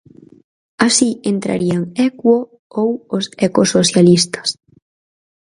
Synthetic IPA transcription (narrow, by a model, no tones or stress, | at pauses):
asient̪ɾa̰ɾiaŋɛkwo | owosekosoθjalist̪ḁs